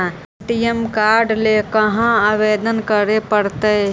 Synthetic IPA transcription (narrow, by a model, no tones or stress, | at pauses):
ʈijemkaːɾɖlekəɦãaʋed̪ənkəɾepəɾt̪ə